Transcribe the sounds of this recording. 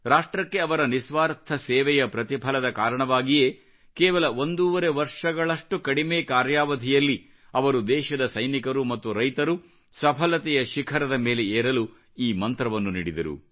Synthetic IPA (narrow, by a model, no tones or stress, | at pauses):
ɾaːʂʈɾɐkːe̞ɐʋɐɾɐnisʋaːɾt̪ʰɐseːʋɛjɐpɾɐt̪ipʰɐlɐd̪ɐkaːɾɐɳɐʋaːɡije̞ː | keːʋɐlɐo̞nd̪uːʋɐɾeʋɐɾʂɐɡɐɭɐʂʈukɐɽimeːkaːɾjaːʋɐd̪ʱijɐlːi | ɐʋɐɾud̪ɛːʃɐd̪ɐsɐjnikɐɾumɐt̪ːuɾɐjt̪ɐɾu | sɐpʰɐlɐt̪ɛjɐʃikʰɐɾɐd̪ɐme̞ːle̞eːɾɐlu | iːmɐnt̪ɾɐʋɐnːunḭːɽid̪ɐɾṵ